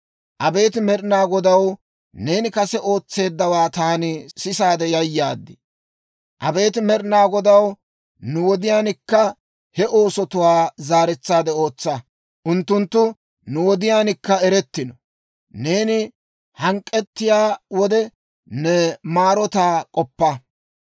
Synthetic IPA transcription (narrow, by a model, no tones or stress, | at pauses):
ʔɐbe̞ːt̪ɪmɛɾɪnaːɡɔd̪ɐw | ne̞ːnɪkɐsɛʔo̞ːt͡sːe̞ːd̪ːɐwaːt̪aːnɪsɪsaːd̪ɛjɐjːaːd̪ːɪ | ʔɐbe̞ːt̪ɪmɛɾnaːɡɔd̪ɐw | nʊwɔd̪ɪjaːnɪkːɐ | hɛʔo̞ːsɔt̪ʊwaːzaːɾɛt͡sːaːd̪ɛo̞ːt͡sːɐ | ʔʊnt̪ːʊnt̪ːʊ | nʊwɔd̪ɪjaːnɪkːɐɛɾɛt̪ːɪnɔ | ne̞ːnɪ | hɐŋkʼːɛt̪ːɪjaːwɔd̪ɛ | nɛmaːɾɔt̪aːkʼɔpːɐ